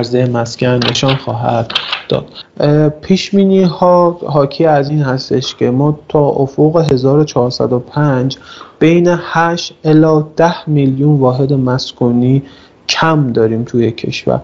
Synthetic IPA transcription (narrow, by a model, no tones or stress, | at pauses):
ɾzejemæscʰænːe̞ʃɒːnxɒːɦæ̰d̪ːɒ̰ːd̪̥pʰiːʃbiːniːhɒːɦɒːcʰiːæziːnhæst̪e̞ʃcʰe̞mɒːt̪ʰɒːʔofoɣe̞ɦe̞zɒːɾo̞t͡ʃʰɒːɾsæ̰d̪opʰænd͡ʒb̥e̞jne̞hæʃt̪ʔelɒːd̪̥æhmiljunvɒːɦe̞d̪e̞mæskʰuːniː | cʰæmd̪ɒːɾiːmt̪ʰujecʰe̞̰ʃvæ̰ɾ